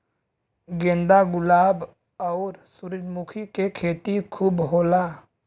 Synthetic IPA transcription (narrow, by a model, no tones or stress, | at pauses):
ɡẽːnd̪aɡʊlaːb | ɔːɾsʊɾɪd͡ʒmukʰikekʰeːt̪ikʰuːbɦoːlaː